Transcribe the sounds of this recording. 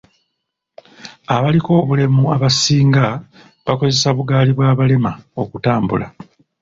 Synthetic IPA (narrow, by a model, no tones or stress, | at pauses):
aβaliko̞ːβule̞muaβasiːŋɡa | βako̞ze̞saβuɡaːliβwaːβale̞mao̞kutaːmbṵla̰